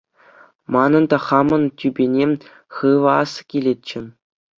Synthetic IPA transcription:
mɑnɤ̆nd̪ɑχɑmɤ̆ntʲybʲenʲe | χɯʋɤ̆ɑskʲilʲet͡ɕːɘ̆

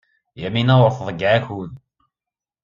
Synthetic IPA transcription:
jæminæwəɾfðˤəɡʕæçuð

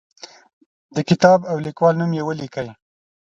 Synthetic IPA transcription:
d̪əkɪt̪ɑbawlikwɑlnumjewəlikəj

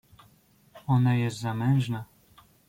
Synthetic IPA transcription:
ɔnajɛst̪zamɛñʐna

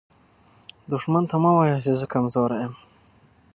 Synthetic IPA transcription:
d̪ʊʂmant̪ʰamawajat͡ʃezəkamzoɾajam

